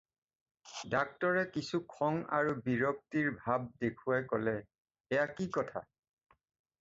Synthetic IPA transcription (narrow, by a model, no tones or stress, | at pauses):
dak̚tɔɹɛkisukʰɔŋa̰ɹubiɹɔk̚tiɹbʱab̚dekʰuajkɔlɛ | ɛjakikɔtʰa̰